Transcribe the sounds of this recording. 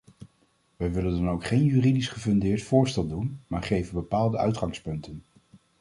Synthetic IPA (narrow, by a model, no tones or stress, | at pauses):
ʋɛjʋɪləndɑnowkχejnjyːridisχəvɵndɪːɹtfʊːɹstɛlˠdunmaːɹχejvənbəpaːlˠdəœ̰ɥtχɑŋspɵntən